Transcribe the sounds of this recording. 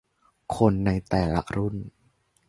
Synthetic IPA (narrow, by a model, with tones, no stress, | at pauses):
kʰo˧nːa˧jt̪ɛː˨˩la̰˦˥ʔɾu˥˩n